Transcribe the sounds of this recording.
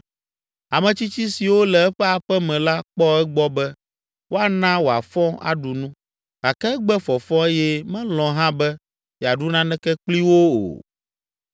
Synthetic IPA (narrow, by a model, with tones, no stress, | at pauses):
a˨mɛ̃˨t͡ɕi˦t͡ɕi˦si˨wo˦lɛ˨ɛ˦ɸɛ˦a˨ɸɛ˦mɛ̃˨la˦k͡pɔ˦ɛ˦ɡ͡bɔ˦bɛ˦ | wʔo˦a˨nã˦wo˨a̰˨fɔ̃˦a̰˦ɖu˨nũ˦ | ɡa˨kɛ˦ɡ͡bɛ˦fɔ˨fɔ̃˦e˦jɛ˦mɛ̃˦lɔ̃˨ɦã˦bɛ˦ | ja˨ɖu˦nã˦nɛ̃˦kɛ˦k͡pli˦wo˦o̰˨